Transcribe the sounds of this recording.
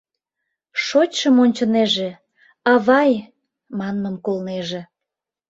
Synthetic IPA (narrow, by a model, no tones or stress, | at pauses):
ʃot͡ɕʃəmonʲt͡ɕəneʒe | ɑβɑj | mɑnːəmkolneʒĕ